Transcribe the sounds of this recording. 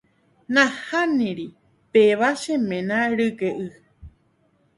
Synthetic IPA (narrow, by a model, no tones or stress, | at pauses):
nãhanĩɾi | peʋaʃẽmẽnãɾɨɡeʔɨ